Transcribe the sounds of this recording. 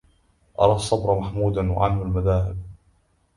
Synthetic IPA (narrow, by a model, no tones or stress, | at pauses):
ʔɑ̰ɾˤɑːsˤːɑbɾˤmaħmuːd̪anwa̰ʕalmalmaðaːhɪb̚